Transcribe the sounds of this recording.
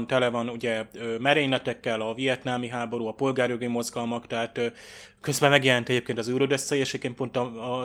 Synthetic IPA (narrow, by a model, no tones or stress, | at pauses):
nt̪ɛlɛvɒnuɟɛøːmɛɾeːɲlɛt̪ɛkːɛlɒvijɛt̪naːmiɦaːbo̞ɾuɒpo̞lɡaːɾjoɡimo̞zɡɒlmɒkt̪ɛɦaːt̪ø | kø̞zbɛmɛɡjɛlɛnt̪ɛɟeːpkeːnt̪ɒzɛuɾod̪øst̪ːɛjeʃɛepkeːnt̪po̞nt̪ɒ